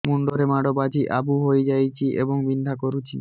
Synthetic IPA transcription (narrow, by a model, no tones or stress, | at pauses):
muɳɖoɾemaɽobad͡ʑʱiʔabuɦojd͡ʑajt͡ɕʰiʔḛboŋbind̪ʱakoɾut͡ɕʰi